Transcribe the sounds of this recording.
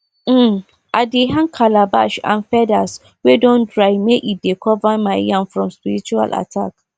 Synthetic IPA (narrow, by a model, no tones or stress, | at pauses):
m̩ | ʔadeɦãnkʰalaba̰ʃã̰nfɛdas | wedɔ̃ndɹaɪmeʔit̚dekʰɔvamaɪjãmfɹɔ̃mspiɾit͡ʃua̰lʔa̰tʰa̰k